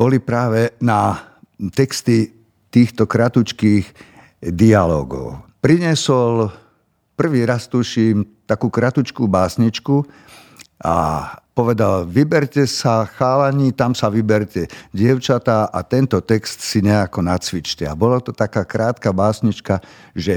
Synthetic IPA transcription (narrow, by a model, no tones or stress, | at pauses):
b̥ɔlipɾaːʋɛna | t̪ɛkst̪i | t̪iːxt̪ɔkɾat̪ut͡ʃkiːx | d̪ialɔ̰ːɡɔ̰ʊpɾiɲɛsɔl | pr̩ʋiːɾast̪uʃiːmt̪akuːkɾat̪ut͡ʃkuːbaːsɲit͡ʃku | ʔa̰pɔʋɛd̪alʋibɛɾcɛsaxaːlaɲiːt̪amsaʋibɛɾcɛɟɪɛʊt͡ʃat̪aːʔat̪ɛnt̪ɔt̪ɛkst̪siɲɛakɔnat͡sʋit͡ʃcɛabɔlat̪ɔt̪akaːkɾaːt̪kabaːsɲit͡ʃka | ʒɛ